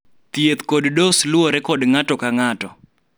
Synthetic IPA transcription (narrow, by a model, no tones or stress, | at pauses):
t̪ijet̪koddosloɾɛkɔdŋatɔkaŋatɔ